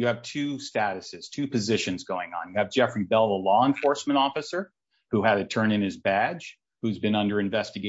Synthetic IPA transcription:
jɨːv̥tʰʉstæɾɨsɨz̥tʰʉpʰɨzɪʃɨ̃nzɡoʊɪ̃ŋə̰̃njɨːvd͡ʒɛfɹibɛlˠðəlɔə̃ɱfɔɹsmɨ̃ñɔfɨsə˞ | huɨɾɨtʰɜ̃˞nɨ̃nɨzbæ̥ʒ̥ | hʉzbɨ̃nʌ̃ndə˞ɨ̃ɱvɛstɨɡe

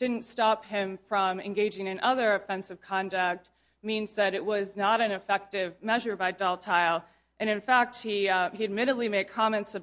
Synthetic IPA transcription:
d̥ɪdⁿn̩tstɑphɪ̃ɱfɹʌ̃mɨ̰̃nɡeɪd͡ʒɪ̃ŋɨ̃nʔʌðə˞ɨfɛ̃nsɨv̥kʰɑ̃ndək̚t̚ | mĩnzðɨɾɨʔ̚wʌznəɾɨ̃nɨfɛk̚tɪvmɛʒə˞baɪdɑlˠtʰaɪlˠ | ʔɨ̃ñɨ̃nfæk̚t̚hiiɨd̚mɪɾɨdˡlimeɪd̚kʰɑmɛ̃ntsɨ

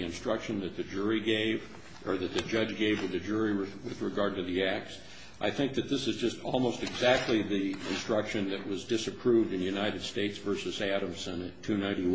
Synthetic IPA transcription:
ɨ̃nstɹ̥ʌkʃɨ̃nðɨt̪̚ðɨd͡ʒʊɹiɡeɪv | ʔə˞ðɨt̪̚ðɨd͡ʒʌd͡ʒɡeɪvwɨððɨd͡ʒʊɹiwɨðɹɨɡɑɹd̚tɨðiæk̚ts | ʔaɪθɪ̃ŋk̚ðɨt̪̚ðɪsɨzd͡ʒʌstʰɔlˠmoʊstɨɡzæk̚tʰˡliðiɨ̃nstɹ̥ʌkʃɨ̃nðɨʔ̚wʌzdɪsɨpʰɹ̥uvdɨ̃njʉnaɪɾɨd̥steɪtsv̥ɜ˞sɨzæɾɨ̃msɨ̃nɨtʰʉnãɪ̃ɾi

